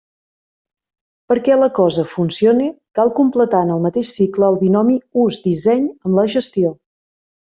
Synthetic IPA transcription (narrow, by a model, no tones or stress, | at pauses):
pəɾkɛləkɔzəfunsionikalˠkumplət̪aənəlˠmət̪eʃsikləːlˠβinɔmiuzd̪izɛɲəmləʒəst̪io